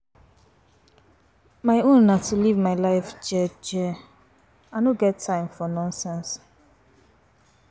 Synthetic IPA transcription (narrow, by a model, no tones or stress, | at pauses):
maɪõnnatʰulivmaɪlaɪfd͡ʒɛd͡ʒɛ | anoɡɛtʰːãɪ̃mfɔnɔ̃nsɛ̃ns